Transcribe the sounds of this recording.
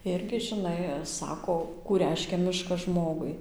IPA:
ˈɪrʲɡʲɪ ʒʲɪˈnɐɪ ˈsɑːkoː kuː ˈrʲɛɪʃʲkʲɛ ˈmʲɪʃkɐs ˈʒmoːɡʊɪ

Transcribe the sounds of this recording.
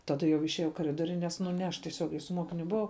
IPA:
ˈtɑːdɐ jɛʊ ɪʃʲiɛˈjɛʊ ɪ kɐˈrʲɪdoːrʲʊ ˈnʲɛs nʊ nʲɛ ˈɐʃ tʲiɛˈsʲoːɡʲɛɪ sʊ ˈmuɔkʲɪnʲʊ bʊˈʋɐʊ

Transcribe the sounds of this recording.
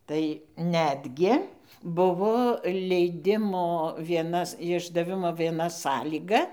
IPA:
tɐɪ ˈnʲæːdʲɡʲɪ ˈbʊʋoː lʲɛɪˈdʲɪmoː ʋʲiɛˈnɐs ɪʒdɐˈʋʲɪmoː ʋʲiɛˈnɐ ˈsɑːlʲiːɡɐ

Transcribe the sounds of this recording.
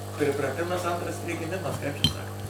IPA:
pʲrʲɪprɐˈtʲɪmɐs ˈɐntrɐs pʲrʲɪɡʲɪˈmʲɪmɐs kɐɪp t͡ʃʲɛ ˈsɑːkoː

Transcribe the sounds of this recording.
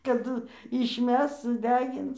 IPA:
kɐˈdʊ ɪʃʲˈmʲɛs sʊˈdʲæːɡʲɪns

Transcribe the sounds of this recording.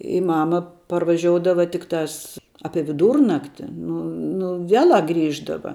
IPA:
ɪ ˈmɑːmɐ pɐrʋɐˈʒʲoːʊdɐʋoː ˈtʲɪktɑːs ˈɑːpʲiɛ ʋʲɪˈduːrnɐktʲɪ ˈnʊ nʊ ˈʋʲiɛlˠɑː ˈɡrʲiːʒdɐʋɐ

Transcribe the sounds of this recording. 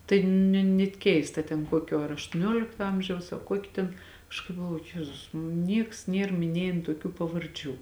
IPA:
tɐɪ nʲɛ nʲɛt ˈkʲɛɪstɐ tʲɛn ˈkuɔkʲoː ɐr ɐʃtuɔˈnʲoːlʲɪktoː ˈɐmʲʒʲɛʊs ɐ ˈkuɔkʲɪ tʲɛn ˈɐʃ kɐɪp ɡɐlˠˈʋoːjʊ ˈjæːzʊs ˈnʲiɛks ˈnʲiɛr mʲɪˈnʲiɛjeːn tuɔˈkʲuː pɐʋɐrʲˈd͡ʒʲuː

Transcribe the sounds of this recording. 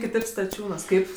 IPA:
kʲɪˈtɐɪp stɐˈt͡ʃʲuːnuɔs ˈkɐɪp

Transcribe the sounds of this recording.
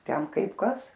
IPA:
ˈtʲɛn ˈkɐɪp ˈkɐs

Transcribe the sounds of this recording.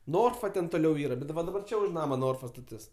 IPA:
ˈnoːrfɐ tʲɛn toːˈlʲɛʊ ˈiːrɐ ˈbʲɛt dɐ ʋɐ dɐˈbɐr ˈt͡ʃʲɛ ʊʃ ˈnɑːmɐ ˈnoːrfɐ stɐˈtʲɪs

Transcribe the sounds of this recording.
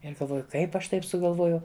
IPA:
ɪr ɡɐlˠˈʋoːjʊ ˈkɐɪp ˈɐʃ ˈtɐɪp sʊɡɐlˠˈʋoːjɛʊ

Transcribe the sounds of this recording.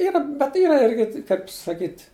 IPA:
ˈiːrɐ bʲɛt ˈiːrɐ ˈɪrʲɡʲɪ kɐɪp sɐˈkʲiːtʲ

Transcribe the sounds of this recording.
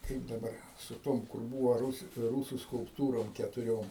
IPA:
ˈkɐɪp dɐˈbɐr sʊ ˈtoːm kʊr ˈbuːʋɐ ˈruːs ˈruːsʊ skʊlˠpˈtuːroːm kʲɛtʊˈrʲoːm

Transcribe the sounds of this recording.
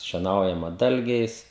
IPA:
ʃʲiɛˈnɐʊjɛmɐ ˈdɐlʲɡʲɛɪs

